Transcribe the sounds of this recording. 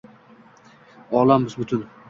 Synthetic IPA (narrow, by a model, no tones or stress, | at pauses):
ɒlˠambɪzbʊt̪ʰʊn